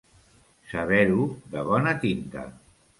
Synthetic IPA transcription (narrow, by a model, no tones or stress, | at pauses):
saβ̞ɛɾuðəβɔnat̪int̪a̰